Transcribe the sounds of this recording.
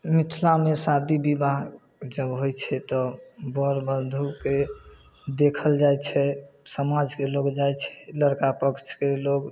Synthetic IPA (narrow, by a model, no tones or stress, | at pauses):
mit̪ʰlamesad̪ibibaɡ | d͡ʒəbɦojt͡ʃʰɛt̪ɔbəɾbənd̪ʱuke | d̪ekʰəld͡ʒajt͡ʃʰɛsəmad͡ʒkeloɡd͡ʒajt͡ʃʰɛ̥ləɾkapəkt͡ʃʰkeloɡ